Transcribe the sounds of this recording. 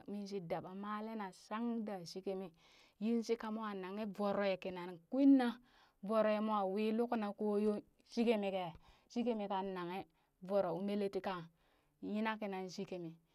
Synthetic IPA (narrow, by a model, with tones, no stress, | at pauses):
mi˦nʃi˨da˨ɓa˨ma˦le˦na˨sa˦ŋda˨ʃi˦ke˦mi˨ | ji˦n˦si˦ka˦mu˦a˨na˨ŋe˦vo˨ɾo˨je˨ki˨na˨nku˦i˦nːa˦ | vo˨ɾo˨je˨mu˦a˨wi˦lu˦ku˦na˨ko˦jo˦ | ʃi˦ke˦mi˨ke˨ | ʃi˦ke˦mi˨ka˨nːa˨ŋe˦ | vo˨ɾo˨u˦me˦le˦ti˦ka˨ | ji˦na˦ki˨na˨nʃi˦ke˨mi˨